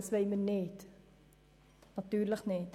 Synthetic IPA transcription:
əsvɛjmənɛt | nɑtyːrləknɛt

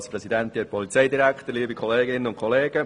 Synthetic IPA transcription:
sprɛsid̪ɛnt̪ipʰɔlit͡sɛjdiɾækt̪əɾliːbikʰɔleːɡɪnənʊnkʰχɔleːɡ̥ə

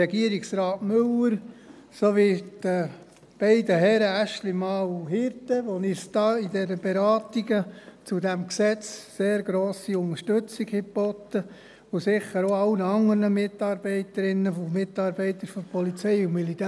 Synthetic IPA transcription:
ɛɡiəɾiksɾɑːtmʉləɾ | soʋid̥ə | b̥ɛɪdəɦɛɾəæʃlimɑːwhɪɾtəʋonɪsd̥̪ɑːidɛɾəb̥ɛɾɑːtiɡət͡sud̪æmksɛt͡sseːɾɡɾoːsiʊŋəʃtɵt͡siɡhɪb̥ɔt̪ːə | osɪχəɾoɑwnəɑŋəɾnəmɪt̪ːɑːɾb̥ɛɪtəɾɪnːəfomɪtːɑːɾbɛɪt̪əɾfɔɾpʰɔlit͡sɛɪʊnmilitæ

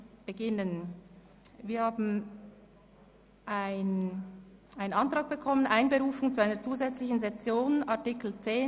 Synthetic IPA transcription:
b̥əɡɪnən | viːɐhaːbn̩ | ʔaɪn | ʔaɪnənɑntʁ̥ɑːɡ̚b̥əkʰɔmənʔaɪnbəʁuːfʊŋt͡suaɪnəɐt͡suːzɛt͡slɪçn̩zɛt͡sjoːnaɐtikl̩t͡seː

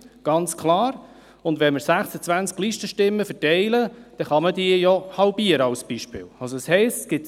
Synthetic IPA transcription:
ɡ̥ɑnt͡skʰlɑːɾ | ʊndvɛnməɾsæχsət͡sʋænt͡skliʃtəʃtɪmːəfɛɾtɛɪləd̥ɛχɑmədiəjɔhɑlbiəɾəɑʊsb̥iʃpɪ̰ːlɑlsoshɛɪstsɡ̥ɪt

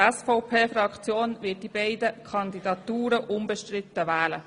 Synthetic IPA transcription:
ɛsfɔʊpʰeːfɾɑkt͡sjoːnʋɪːt̚d̥ibɛɪd̪əkʰɑnd̪id̪ɑt̪uːɾəʔʊmbəʃtɾɪt̪ːəʋæːlə

